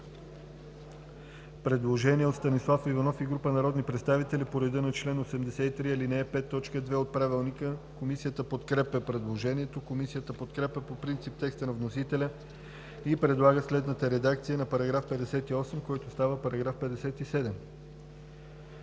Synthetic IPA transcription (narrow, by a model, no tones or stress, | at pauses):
pɾɛd̪lˠoʒɛniɛot̪st̪ɐnislˠafivɐnɔfiɡɾupənɐɾɔd̪nipɾɛt̪st̪avit̪ɛlipoɾɛd̪ənot͡ʃlɛnosɛmd̪ɛsɛt̪it̪ɾiɛlinɛɛpɛt̪ːɔt͡ʃkəd̪vɛot̪̚pɾavilˠnikəkomisijət̪əpot̪kɾɛpɛpɾɛd̪lˠoʒɛniɛt̪okomisijət̪əpot̪kɾɛpʲɛpopɾint̪sip̚t̪ɛkst̪ənɐvnosit̪ɛlʲə | ipɾɛd̪lˠaɡəslɛd̪nət̪əɾɛd̪ak̚t̪sijənɐpɐɾɐɡɾafpɛd̪ɛsɛt̪iɔsɛmkɔjt̪ost̪avəpɐɾɐɡɾafpɛd̪ɛsɛt̪isɛd̪ɛm